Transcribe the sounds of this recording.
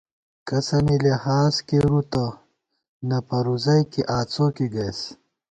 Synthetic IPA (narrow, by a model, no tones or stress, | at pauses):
kɐsɐnilehaːskeɾut̪ɐ | nɐpɐɾuzɐjkiʔaːt͡soːkiɡɐjs